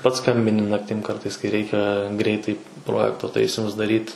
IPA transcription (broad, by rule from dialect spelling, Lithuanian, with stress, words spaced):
pɐts ˈskɐmʲbʲɪnʲɪ ˈnɑːktʲɪm ˈkɐrtɐɪs kɐɪ ˈrʲɛɪkʲɛ ˈɡrʲɛɪtɐɪ ˈproːjɛktoː ˈtɐɪsʲɪmʊs dɐˈrʲiːt